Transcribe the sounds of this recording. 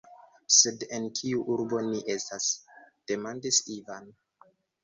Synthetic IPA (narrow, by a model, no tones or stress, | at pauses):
se̞de̞nkʰiuʔuɾbo̞niʔe̞stasd̥e̞mandisivan